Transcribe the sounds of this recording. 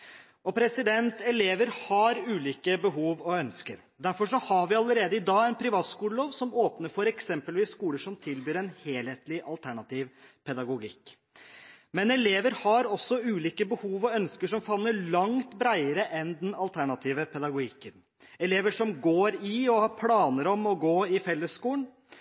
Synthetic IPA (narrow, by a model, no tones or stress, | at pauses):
ɔpʰɾɛsɪd̪ɛnt̪ɛleːʋəɾhɑɾʉːliːkəbəɦuːʋɔœnskəɾ | d̪æɾfɔʂɔhɑɾʋɪɑləɾeːd̪əɪd̪ɑːɛɪnpʰɾɪʋɑːt̪skuːləloːʋsɔmoːpnəfɔɾɛksɛmpəlʋiːsskuːləʂɔmt̪ʰɪlbyːɾɛnheːlheːt̪lɪʔɑlt̪ʰæɳɑt̪ʰiːʋpʰɛd̪ɑɡʊɡɪ̰kː | mɛnɛleːʋəɾhɑɾɔsːɔʉːliːkəbəhuːʋɔœnskəʂɔmfɑnːəɭɑŋt̪bɾæɪəɾəʔɛnd̪ɛnɑlt̪ʰæɳɑt̪ʰiːʋəpʰɛd̪ɑɡʊɡɪkːən | ɛleːʋəʂɔmɡoːɾɪɔhɑpʰlɑːnəɾɔmɔɡoːɪfɛlːəsːkuːəɳ